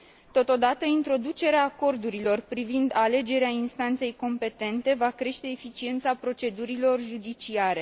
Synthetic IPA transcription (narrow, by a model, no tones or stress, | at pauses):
t̪o̞t̪o̞d̪at̪əint̪ɾo̞d̪ut͡ʃe̞ɾeaːko̞rd̪uɾilo̞rpɾivind̪ale̞d͡ʒe̞ɾeainst̪ant̪se̞jko̞mpe̞t̪e̞nt̪e̞vakɾe̞ʃt̪e̞ːfit͡ʃie̞nt̪sapɾo̞t͡ʃe̞d̪uɾilo̞rʒud̪it͡ʃiaɾe̞